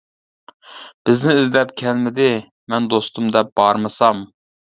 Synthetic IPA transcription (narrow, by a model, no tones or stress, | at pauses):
b̥ɪznɪːzlɛpkʲʰɛlmɪd̪ɪ | mɛnd̪ost̪umd̪ɛp̚b̥ɑɾmɨsɑm